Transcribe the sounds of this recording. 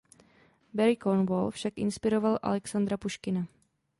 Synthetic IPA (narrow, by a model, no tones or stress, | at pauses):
bɛɾɪkonvolfʃakʔɪ̰nspɪɾo̞valʔa̰lɛksand̪ɾapuʃkɪna